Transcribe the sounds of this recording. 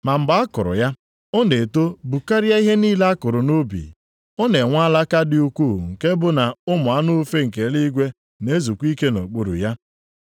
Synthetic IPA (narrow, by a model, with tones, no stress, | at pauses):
ma˨m̩˨ɡ͡ba˦a˦kʊ˨ɾʊ̰˨ja˦ | ʊ˦ne˨to˦bu˨ka˦ɾɪ˦a˦i˦ɦe˦niː˦le˦a˦kʊ˨ɾʊ˨no˦bḭ˨ | ɔ˦ne˨ŋʷa˦la˦ka˦dɪ˦u˦kʷu˦˨ŋ̩˨ke˦bʊ˦na˨ʊ˦mʊ˨a˦nʊ˦fe˦ŋ̩˨k̬e˨˦li˦ɡʷe˦ | ne˦zu˨kʷi˦ke˦no˨k͡po˨ɾṵ˨ja˦